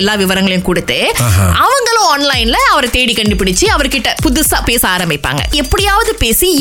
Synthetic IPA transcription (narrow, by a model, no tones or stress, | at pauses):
lːaːʋɪʋɐɾɐŋɡɐɭɐjʊ̃kʊɽɯt̪ːɯʔɐʋɐŋɡɐɭʊ̃aːnlɐɪnlɐɐʋɐɾɐt̪eːɽikɐɳɖɯpɪɽɪt͡ʃːɯɐʋɐɾkːɪʈːɐpʊðʊsaːpeːsaːɾɐmbɪpːa̰ːŋɡɐ̰ɛpːɐɽɪjaːʋɐðɯpeːsi